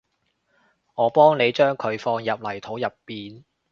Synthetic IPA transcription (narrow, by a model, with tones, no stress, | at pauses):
ŋɔː˨˧pɔː˥ŋne˨˧jt͡ʃœː˥ŋkʰɵ˨˧ɥfɔː˧ŋjɐ˨p̚lɐ˨˩jt̪ʰo˨˥wjɐ˨pːiː˨n